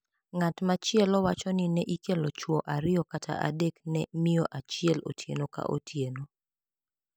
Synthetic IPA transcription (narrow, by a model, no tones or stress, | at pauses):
ŋatmat͡ʃɪɛlɔwat͡ʃɔnɪnɛʔikelot͡ʃwɔʔaɾɪɔkatʰa̰ʔa̰deknɛmɪjɔʔat͡ʃɪɛlo̰tʰjḛnoka̰ʔo̰tʰjeno